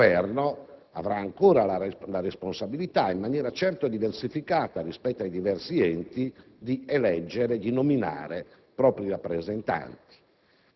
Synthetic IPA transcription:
vɛrnoa̰vɾaːŋkɔːɾalalaɾɛsponsabilit̪aimːanjɛːɾat͡ʃɛrt̪od̪iversifikaːt̪arispɛt̪ːoajd̪ivɛrsiɛnt̪i | d̪iɛlɛd͡ʒːɛɾed̪inomina̰ːɾe | pɾɔːpɾiɾapːɾɛzɛnt̪a̰nt̪i̥

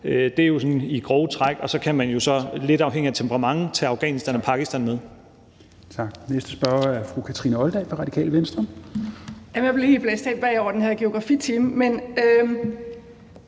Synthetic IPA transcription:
ød̥e̝æjo̝sɒ̽niɡ̥ʁɒːʊt͡sʰʁɑɡ̥ɒ̽sɒ̽kʰæmænjo̝sɒ̽le̝d̥ɑ̈ʊɦeŋ̰iæt͡sʰempəʁɑ̈mɑ̈ŋt͡sʰeɑ̈ʊɡ̥ɛ̰ːnisd̥ænɒ̽pʰɑ̈ɡ̥isd̥ænmeð̞ˠ | t͡sʰɑ̈ɡ̥nesd̥əsb̥ɶɐæɐfʁukʰæt͡sʰʁḭnəɒ̽ld̥ɛɪfɑ̈ʁɑ̈d̥ikʰɛ̰ːlʋensd̥ʁɒ̽m | jæmnjab̥lehe̝ːlb̥lesd̥ʰɛ̰ːb̥ʋæ̰ɒ̰ʊɐd̥enheɐɡ̥e̝o̝ɡ̥ʁɑ̈fḭt͡sʰiːməmenø

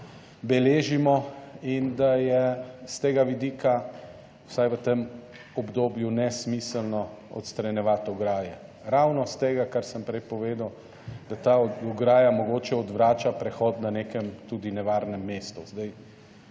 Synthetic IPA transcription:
bɛleːʒimɔind̪ajɛst̪eːɡaʋid̪iːka | wsajʋət̪em | ɔbd̪oːbjunɛsmisəlnɔɔ̰t̪st̪ɾɛnjɛʋat̪ɔɡɾaːjɛ | ɾawnɔst̪eːɡakaɾsəmpɾɛjpɔʋeːd̪ɐw | d̪̥at̪aɔɡɾaːjamɔɡoːt͡ʃɛɔd̪ʋɾaːt͡ʃapɾɛxɔt̪nanekɛmt̪uːd̪inɛʋaːɾnɛmːeːst̪uzd̪aj

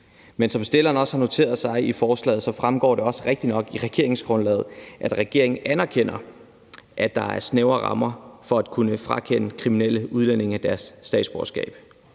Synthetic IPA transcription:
mensɒ̽msd̥e̝lɐːn̩ɒ̽shɑ̈no̝t͡sʰe̝̰ːɐð̩ˠsɑ̈ɪifɒːslɛ̰ːð̩ˠsɒ̽fʁamɡ̥ɒ̰ːɾe̝ɒ̽sə̥ʁeɡ̥̚d̥inɒ̽ɡ̥iʁɛɡ̥e̝ɐe̝ŋsɡ̥ʁɔ̽nlɛ̰ːð̞̩ˠʔæd̥ʁɛɡ̥e̝̰ɐ̰e̝ŋn̩ʔænæɐkʰen̰ɐ | ʔæd̥ɑ̈æɐsneʊɐʁɑ̈mɐfɒ̽æd̥̚kʰunəfʁɑ̈kʰen̰əkʰʁiminel̰əuð̞ˠlene̝ŋæd̥æɐsːd̥ɛ̰ːd̥sb̥ɒːsɡ̥ɛ̰ːb̥

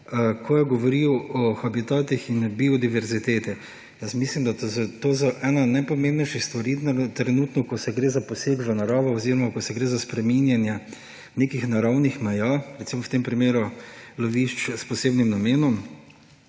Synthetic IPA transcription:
kʰɔjɛɡɔʋɔɾiwɔxabit̪aːt̪ixinbiɔd̪iʋɛɾzit̪eːt̪ɛ | jəsmislimd̪at̪zt̪ozɔʔɛnanajpɔmẽmbnɛjʃixst̪ʋaɾit̪ɾɛnut̪nɔkɔsɛɡɾeːzapɔseːɡʋɐnaɾaːʋɔɔziɾɔmakɔsɛɡɾeːzaspɾɛminjanjɛ | nekixnaɾawnixmɛjaɾɛt̪simɔwt̪empɾimeːɾuloʋiʃt͡ʃspɔseːbnimnameːnɔm

